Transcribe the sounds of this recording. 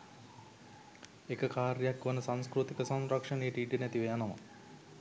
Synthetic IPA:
ekəkaːɾjjakːʋənəsãŋskɾut̪ikəsamɾakʂənejəʈiiʈinæt̪iʋejanəmə̰

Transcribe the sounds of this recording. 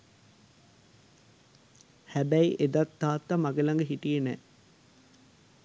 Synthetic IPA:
hæbæiʔed̪ɐt̪ːaːt̪ːamaɡelɐŋɡeɦiʈijenɛ̰ː

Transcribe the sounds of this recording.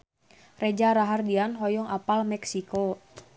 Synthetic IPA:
rɛd͡ʒaɾaɦardianɦɔjɔŋʔapalmɛksiko

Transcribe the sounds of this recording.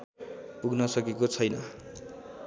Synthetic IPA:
puɡnʌsʌkekot͡sʰʌjnʌ

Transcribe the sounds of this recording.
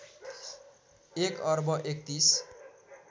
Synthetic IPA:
ekʌrbʌʔek̚t̪is

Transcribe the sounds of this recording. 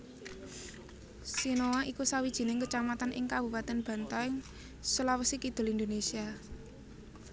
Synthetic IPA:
sinowaʔikusawid̥ʒ̥i̤nɪŋkət͡ʃamat̪anʔɪ̰ŋkab̥ṳpat̪ɛnb̥ä̤nt̪aɪŋ | səlawəsikid̪̥ʊ̤lind̪onesia

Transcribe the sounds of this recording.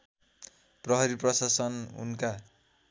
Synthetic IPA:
prʌɦʌɾiprʌsasʌnṵnka

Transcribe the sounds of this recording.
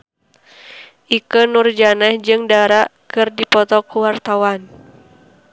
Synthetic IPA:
ʔikənurd͡ʒanɛhd͡ʒɨŋdaɾaʔkɨrdipɔt̪ɔkuwart̪awan

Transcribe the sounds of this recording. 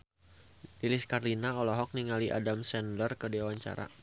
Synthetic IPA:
diliskarlinaɔlɔɦɔk̚niŋaliʔa̰damsɛndərkədiawaɲt͡ʃa̰ɾa̰

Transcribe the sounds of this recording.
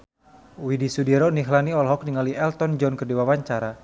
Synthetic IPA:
widisudiɾɔniɦlaniɔlɦɔk̚niŋaliɛlt̪ɔnd͡ʒɔnkərdiwawaɲt͡ʃaɾa

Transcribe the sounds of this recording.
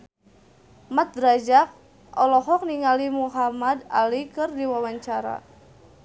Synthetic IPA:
mat̪̚rad͡ʒak̚ | ɔlɔɦɔk̚niŋalimuɦamada̰likɨrdiwawaɲt͡ʃaɾa̰

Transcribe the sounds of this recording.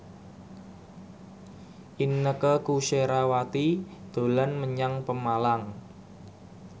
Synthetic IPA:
ʔinːəkəkuʃeɾawat̪id̪̥o̤lanməɲaŋpəmalaŋ

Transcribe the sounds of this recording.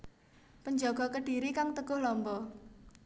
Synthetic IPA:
pəɲd͡ʒɔɡ̥ɔ̤kəɖ̥i̤ɾikaŋt̪əɡ̥ʊ̤hlɔmbɔ

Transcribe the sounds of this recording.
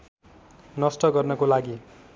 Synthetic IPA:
nʌsʈʌɡʌrnʌkolaɡi

